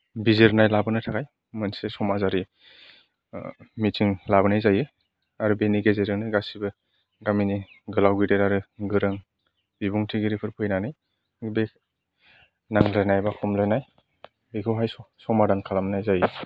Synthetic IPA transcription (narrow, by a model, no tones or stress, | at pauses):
bizeɾnajlabɯnatʰakaj | mɯnsesɔmazaɾi | mitʰiŋlabɯnajzajɯ | aɾubeniɡezeɾɯŋnajɡasibɯ | ɡamini | ɡɯlawɡɯdeɾaɾɯɡɯɾɯŋ | b̥ibuŋtʰiɡiɾipʰɯɾpʰɯjnanaj | be | naŋlajnajbakʰɔmlajnaj | beɡʰɯwɦajsɔsɔmadaŋkʰalamnajzajɯ